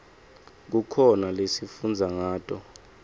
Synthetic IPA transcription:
k̬ukʰɔnalesifund͡zʱaŋaːtʼɔ

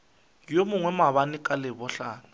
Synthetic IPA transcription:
jomʊŋwɛmaβanɪkʼalɪβɔɬaːna

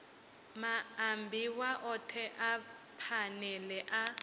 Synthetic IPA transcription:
maːmbʱiwaʔɔtʰɛʔa | pʰanɛlɛʔa

